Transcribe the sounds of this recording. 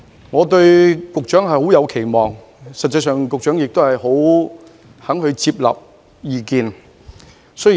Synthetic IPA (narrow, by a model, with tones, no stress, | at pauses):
ŋɔː˨˧t̪ɵ˧ɥkʊ˨k̚t͡ʃœː˨˥ŋɦɐ˨jho˨˥wjɐ˨˧wkʰe˨˩jmɔː˨˩ŋ | sɐ˨t̚t͡sɐ˧jsœː˨ŋkʊ˨k̚t͡ʃœː˨˥ŋjɪ˨k̚t̪o˥whɐ˨jho˨˥w | hɐ˨˥ŋhɵ˧ɥt͡siː˧p̚lɐ̰˨p̚ | jiː˨˧kiː˧n | sɔ˥˨